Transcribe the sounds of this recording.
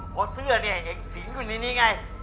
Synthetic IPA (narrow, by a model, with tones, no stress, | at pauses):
pʰɔ˦˥sɯ˥˩ɐni˧˩ɐ˨ʔe˨˩k̚siː˨˩˦ŋjuː˧˩niː˦niː˦ŋa˧j